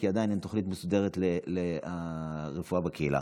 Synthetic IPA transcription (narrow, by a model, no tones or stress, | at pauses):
kiad̪ajinhemt̪oχlit̪mesud̪e̞ʁet̪leleaʁefuabekeilʔa̰